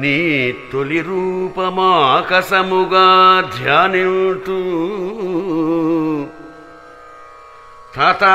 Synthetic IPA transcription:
nit̪oliɾuːpɐmakɐsɐmuɡad̪ʱjaːniʈu | t̪ʰat̪a

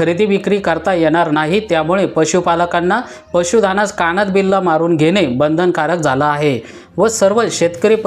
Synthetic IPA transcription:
əɾid̪iʋikɾiːkəɾt̪ajɛɽ̃aɾnaɦit̪jamuɭepəɕupaləkanːa | pəɕud̪ʱanat͡skaɽ̃ət̪̚bilːamaɾuːnɡʱeɽ̃ebənd̪ʱənkaɾək̚d͡zʱalaːɦe | ʋəsəɾʋəɕet̪kəɾip

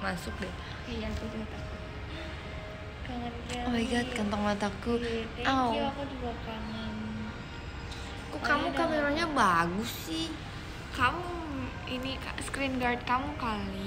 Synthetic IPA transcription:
masʊk̚dɛ | jakudat̪aku | ɡaŋankaoiɡat̪̚kant̪ɔŋmat̪akuawakudibakaŋan | kukamukameɾaɲabaɡʊsːɪh | kamu | inikaskɾinɡard̪̚kamukali

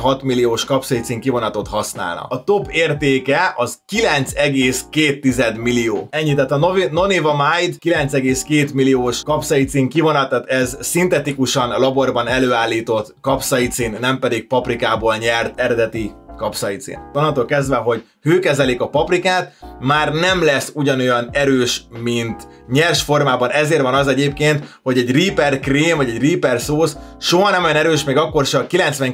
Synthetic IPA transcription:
ɦɒt̪milːijoːʃkɒpsɒjit̪siŋkivo̞nɒt̪o̞t̪hɒsna̰ːlnɒ̰ɒt̪o̞peːrt̪eːkɛɒzkilɛnt̪sɛɡeːskeːt̪ːizɛd̪milijoːɛɲːit̪ɛt̪ɒnono̞niːvɒmajd̪kilɛnt̪sɛɡeːskeːt̪milijoːʃkɒpsɒjit̪siːŋkivo̞nɒt̪ːat̪ɛzsint̪ɛt̪ikuʃɒnlɒbo̞rbɒnɛløːaːlːiːt̪o̞t̪kɒpsɒit̪siːnːɛmpɛd̪ik̚pɒprikaːboːlɲɛrt̪ɛɾɛd̪ɛt̪ikɒpsɒjit̪sḭːnt̪onɒnt̪oːlkɛzd̪vɛɦo̞ɟ | høːkɛzɛlikɒpɒprikaːt̪maːrnɛmlɛsuɟɒno̞jɒnɛɾøːʃmint̪ | ɲɛrʃfo̞rmaːbɒnɛzeːrʋɒnɒzɛɟeːpkeːnt̪ho̞ɟɛɟriːpɛrkreːmvɒɟɛɟriːpɛrsoːsʃoɦɒnɛmojɒnɛɾøːʃmɛːɡɒkːo̞rʃɛkilɛnt̪sʋɛŋ

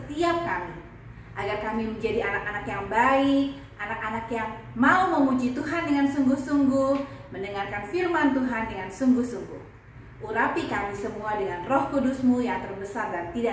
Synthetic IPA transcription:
ət̪iap̚kami | ʔaɡarkamiməɲd͡ʒadianak̚anakjaŋbaik̚ | ʔanak̚anakjaŋmauməmud͡ʒit̪uɦandəŋansuŋɡʊhsuŋɡʊhmənəŋarkanfirmant̪uɦandəŋansuŋɡʊhsuŋɡʊ̰h | ʔuɾapikamisəmuadəŋanrɔhkudusmujaŋt̪ərbəsardant̪ida

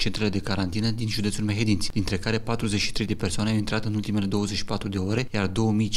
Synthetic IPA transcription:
t͡ʃent̪ɾe̞le̞d̪e̞kaɾant̪inəd̪inʒud̪et̪sulmeɦe̞d̪insʲd̪̥int̪ɾe̞kaɾe̞pat̪ɾuzet͡ʃʃi̥t̪ɾe̞jd̪e̞pe̞rsoaneawint̪ɾat̪ɨnult̪ime̞le̞d̪o̞wəzet͡ʃʃipat̪ɾud̪e̞oɾe̞jard̪o̞wəmij

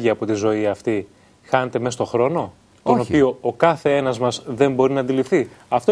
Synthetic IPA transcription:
ʝiɐpo̞t̪izo̞iɐft̪i | xɐne̞t̪e̞me̞st̪o̞xɾo̞no̞ | t̪o̞no̞pio̞okɐθe̞e̞nɐzmɐzðe̞mbo̞ɾinɐnd̪ilifθiɐft̪o

